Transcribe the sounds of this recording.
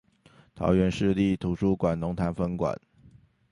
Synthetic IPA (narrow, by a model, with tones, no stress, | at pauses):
t̪ʰɑ̰˧˥ʊɥɛ˧˥nʂɻ̩˥˧li˥˩t̪ʰu˨˩ʂu˥˩kwa˨˩nnʊ˧˥ŋt̪ʰa˧˥nfə˥ŋkwa̰˨˩˦n